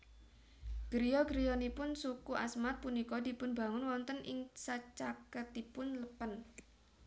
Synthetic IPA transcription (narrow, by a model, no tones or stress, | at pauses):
ɡ̥ɾijɔɡɾijɔnipʊnsukuʔasmat̪̚punikɔd̪̥i̤pʊnba̤ŋʊnwɔnt̪ənʔɪ̰ŋsat͡ʃakət̪ipʊnləpən